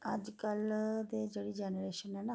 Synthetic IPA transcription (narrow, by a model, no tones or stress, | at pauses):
əd͡ʒkəld̪eːd͡ʒeːɽiːd͡ʒɛːnɾeːʃənɦɛːna